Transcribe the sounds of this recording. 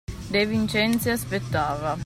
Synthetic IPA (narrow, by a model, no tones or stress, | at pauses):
d̪ejvint͡ʃɛnt̪siaspet̪ːaːva